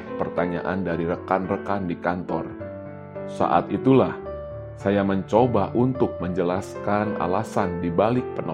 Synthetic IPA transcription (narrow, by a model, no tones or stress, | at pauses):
pərt̪aɲa̰ʔa̰ndaɾiɾəkanrəkandikant̪ɔr | sa̰ʔa̰t̪it̪ulah | sajaməɲt͡ʃobaʔunt̪ʊk̚məɲd͡ʒəlaskana̰lasandibalɪk̚pənɔ